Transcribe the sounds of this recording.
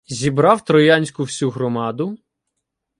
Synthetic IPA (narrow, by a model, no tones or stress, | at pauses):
zʲibɾɑwt̪ɾɔjɑnʲsʲkʊwsʲuɦɾɔmɑd̪ʊ